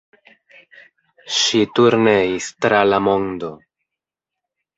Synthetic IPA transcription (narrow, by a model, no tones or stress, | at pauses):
ʃit̪uɾneist̪ɾalamond̪o